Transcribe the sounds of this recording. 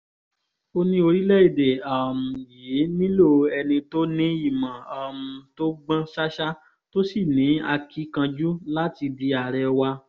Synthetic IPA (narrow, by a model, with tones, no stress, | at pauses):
o˧nĩ˧˦o˧ɾi˦lɛ˦˨i˦˨de˨a˨m̩˨je˨˦nĩ˦lo˦˨ɛ˧nĩ˧to˦nĩ˦i˦˨mã˨a˨m̩˨to˦ɡ͡bã˦ʃa˦ʃa˦ | to˦si˦˨nĩ˨˦a˧kʰi˦kã˧d͡ʒu˦la˦ti˧di˧a˨ɾɛ˧wa˧